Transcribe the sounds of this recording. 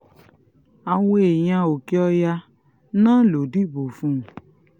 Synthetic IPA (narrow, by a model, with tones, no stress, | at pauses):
a˨w̃õ˦e˨j̃ã˧o˨ki˦ɔ˧ja˧ | nãː˦lo˨di˦bo˨fũ˦˨